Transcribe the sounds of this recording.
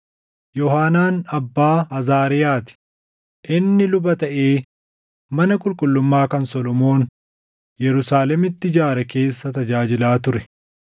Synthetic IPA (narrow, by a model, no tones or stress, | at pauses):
jɔɦaːnaːnɐbːaːɐzaːɾɪjaːt̪ɪ̥ | ʔɪnːɪlʊbɐt̪ɐʔe̞ː | mɐnɐkʼʊlkʼʊlːʊmːaːkɐnsɔlɔmo̞ːn | jɛɾʊsaːlɛmɪt̪ːɪd͡ʒaːɾɐke̞ːsːɐt̪ɐd͡ʒaːd͡ʒɪlaːt̪ʊɾɛ